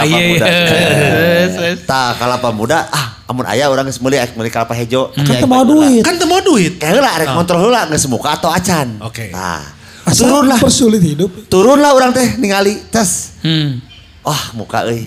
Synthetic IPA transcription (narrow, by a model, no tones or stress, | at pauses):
ajamuda | st̪akalapamudaaha̰mʊna̰jauɾaŋəsmuliak̚mulikalapaɦed͡ʒoakaaəmaaduɪt̪kant̪əmaaduit̪̚kaəlaɾɛkɔnt̪ɾɔlulaŋɡəsəmukaːt̪awat͡ʃanoket̪a̰ | st̪uɾʊnlahpərsulɪt̪hidʊp̚t̪uɾʊnlaɦuɾaŋt̪ɛhniŋalit̪əs | wahmṵka̰əj